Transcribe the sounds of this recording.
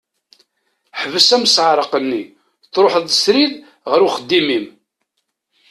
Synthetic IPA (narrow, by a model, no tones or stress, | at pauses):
ħəvəsæməsʕɾˤəqənːi | θɾˤoħəðəsɾið | ʁəɾuχəd̪ːimim